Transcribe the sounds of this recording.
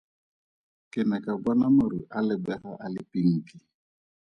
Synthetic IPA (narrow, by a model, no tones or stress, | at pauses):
kɪnɛkaɡ͡bɔnamɔɾuʔalɪɡ͡bɛɾaʔalɪpiŋ̩ki